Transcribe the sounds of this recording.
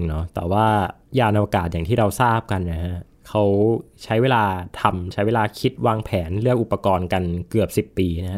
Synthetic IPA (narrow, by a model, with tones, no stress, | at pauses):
ŋnɔ˦˥t̪ɛ̰ː˨˩waː˥˩ | jaː˧nʔa˧waː˧kaː˨˩t̪̚jaː˨˩ŋt̪ʰiː˥˩ɾa˧wsaː˥˩p̚ka˧nːa˧˩ha˦˥ʔ | kʰa˦˥wt͡ɕʰa˦˥jweː˧laː˧t̪ʰa˧mt͡ɕʰa˦˥jweː˧laː˧kʰi˦˥t̪̚waː˧ŋpʰɛː˩˦nɾɯ˥˩əkʔu˨˩pːa˧kɔː˧nka˧nkɯ˨˩əp̚si˨˩pːiː˧na˦˥ha˦˥